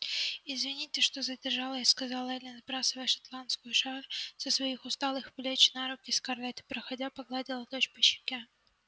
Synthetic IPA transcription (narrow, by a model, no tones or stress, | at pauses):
ɪzvʲɪnʲitʲɪʂt̪ozədʲɪrʐalˠəɪskɐzalˠɛlʲɪnzbɾasɨvəjʂɐ̥t̪lˠant̪skʊjʊʂaɾsəsvɐixʊst̪alˠɨxplʲet͡ɕnaɾʊkʲɪskɐrlʲat̪ʲɪ̥pɾəxɐdʲapɐɡlˠadʲɪlˠəd̪ot͡ɕpɨɕɪ̥kʲa